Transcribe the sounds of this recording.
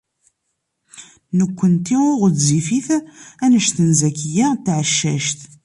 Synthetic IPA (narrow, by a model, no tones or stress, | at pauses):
nəkʷːənt̪iʊʁdzifiθænəʃθənzækːəjæt̪ːʕəʃːæʃt̪